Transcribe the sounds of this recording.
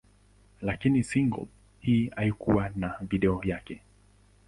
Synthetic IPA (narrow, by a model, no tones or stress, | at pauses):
lakinisiŋɡɔ̰ | hiːaikuwanaviɗɛɔjakɛ